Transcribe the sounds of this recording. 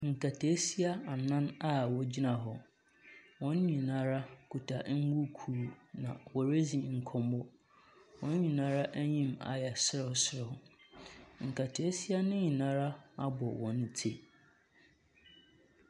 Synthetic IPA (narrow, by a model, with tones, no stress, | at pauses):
ŋ̩˨kʰa˨tʰe˨˦si˦a˦a˨nã˦na˦wɔ˨d͡ʑi˦nã˨ɦɔ˨ | wɔ̃˨˦n˦ɲĩ˨nã˦ɾa˦kʰu˨tʰa˨ʔŋ̩˦wu˦kʰuː˦˨nã̰˨wɔ˨ɾe˦zi˨ŋ̩˨kʰɔ̃˨mɔ˦ | wɔ̃˨n˦ɲĩ˨nã˦ɾa˦ʔæ˦ɲĩ˦ma̰˨jɛ˨sɾɔ˨˦sɾɔ˨ | ŋ̩˨kʰa˨tʰe˨˦si˦a˦nɪ̃˦ɲĩ˨nãː˦ɾa˦a˦bɔ˨wɔ̃˨n˦tʰe˦